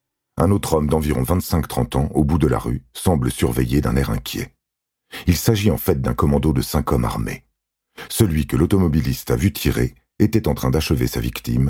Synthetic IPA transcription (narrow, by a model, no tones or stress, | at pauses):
ɛ̃not̪χɔmd̪ɑ̃viʁɔ̃vɛ̃t̪sɛ̃kt̪χɑ̃t̪ɑ̃ʔobud̪əla̰ʁysɑ̃bləsyʁvɛjed̪ɛ̃nɛʁɛ̰̃kʲjɛ̰ | ilsaʒiɑ̃fɛt̪̚d̪ɛ̃kɔmɑ̃d̪od̪əsɛ̃kɔma̰ʁmḛ | səlɥikəlɔt̪ɔmɔbilist̪avyt̪ʰiʁe | et̪ɛt̪ɑ̃t̪χɛ̃d̪aʃəvesavikt̪ḭm